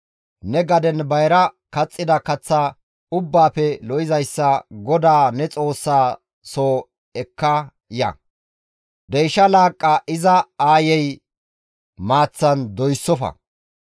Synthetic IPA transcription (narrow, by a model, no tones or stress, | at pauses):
nɛɡɐd̪ɛnbɐjɾɐ | kɐt͡sʼːɪd̪ɐkɐt͡sːa | ʊbːaːpɛlɔʔɪzɐjsːɐɡɔd̪aːnɛt͡sʼo̞ːsːaː | soː | ɛkːɐ | jɐ̰ | d̪ɛjʃɐlaːkʼːɐʔɪzɐaːjɛj | maːt͡sːɐnd̪ɔjsːɔfɐ̰